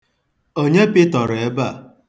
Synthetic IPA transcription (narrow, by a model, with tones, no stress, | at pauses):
o˦ɲe˦pɪ˦tɔ˨ɾe˦ba˦˨